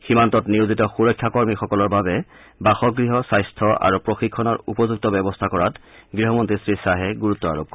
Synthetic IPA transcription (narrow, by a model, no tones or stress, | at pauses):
ximantɔtniɹuzitɔxuɹɔjkʰːjakɔɹmixɔkɔlɔɹbabɛ | baxɔɡɹiɦɔsajstʰɔʔa̰ɹupɹoxikʰːɔnɔɹupɔzuk̚tɔbɛbɔstʰakɔɹatɡɹiɦɔmɔntɹisɹisaɦɛɡuɹutːɔa̰ɹo̰p̚kɔ